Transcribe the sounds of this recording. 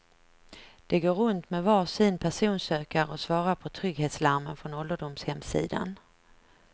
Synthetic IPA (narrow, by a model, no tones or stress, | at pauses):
d̪̥ɛɡoːɾɵnt̪mɛvɑʂɪnpʰæʂuːnsøːkaɾɔsvɑːɾapʰɔt̪ʰɾʏɡheːt̪slaɾmənfɾɔnɔld̪əɖʊmshɛmsḭːd̪a̰n